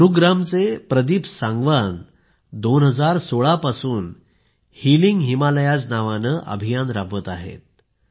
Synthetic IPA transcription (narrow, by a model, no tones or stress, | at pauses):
ɾuɡɾamt͡sepɾəd̪iːpsãŋɡʋan | d̪onɦəd͡zaɾsoɭapasuːn | hiliŋɡɦimaləjad͡znaʋanəʔə̰bʱijanɾaʋət̪aɦḛt̪̚